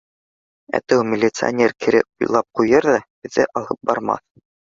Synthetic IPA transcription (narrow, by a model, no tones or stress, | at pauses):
æ̰t̪æwmʲɪlʲːɪt̪sɨɐ̰nʲeɾkɘ̆ɾɘkujlˠɑp̚qujɤɾðɑbɘ̆ðːɘʔɑlˠɤp̚bɑɾmɑ̰θ